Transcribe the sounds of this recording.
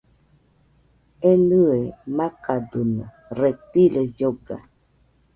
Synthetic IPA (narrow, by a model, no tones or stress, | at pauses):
enɨemakadunə | ɾetiləjoɡa̰